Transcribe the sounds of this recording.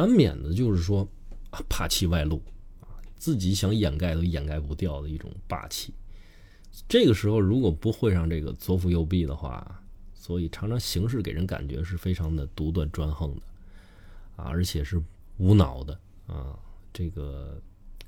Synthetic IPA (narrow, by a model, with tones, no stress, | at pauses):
a˧˥nmjɛ̰˨˩nd̪ə˦t͡ɕjo˥˧ʊʂɻ̩˥˩ʂwɔ˥ | a˧pʰa˥˩t͡ɕʰi˥˧wa˥˧ɪlu˥˩ɐ˧˩t͡sɹ̩˥˩t͡ɕi˧˥ɕjɑ˧˥ŋjɛ˨˩nka˥˩ɪd̪ə˧˥jɛ˨˩nka˥˩ɪpu˧˥t̪jɑ˥˩ʊd̪ə˩i˥˩ʈ͡ʂʊ̰˨˩ŋpa̰˥˧t͡ɕʰi˥˩ | ʈ͡ʂɤ˥˩ɡə˩ʂɻ̩˧˥xo˧ʊɻu˧˥kwɔ˨˩pu˧˥xwe˥˧ɪʂɑ˥˧ŋʈ͡ʂɤ˥˩ɡə̰˩t͡swɔ˥fu˧jo˥˧ʊp̬i˥˩d̪ə˩xwa̰˥˩swɔ˧˥i˨˩ʈ͡ʂʰɑ˧˥ŋʈ͡ʂʰɑ˧˥ŋɕi˧˥ŋʂ̬ɻ̩˥˩ke˨˩ɪɻə˧˥nka̰˨˩nt͡ɕɥɛ̰˧˥ʂɻ̩˥˩fe˥ɪʈ͡ʂʰɑ˧˥ŋd̪ə˧t̪u˧˥t̪wa˥˩nʈ͡ʂwa˥nxɤ˥˧ŋd̪ə˩ | ɐ̰˧ə̰˞˧˥t͡ɕʰjɛ˨˩ʂɻ̩˥˩ | u˧˥nɑ̰˨˩ʊd̪ə˦ | ə̰˧˩ʈ͡ʂɤ˥˩ɡə˩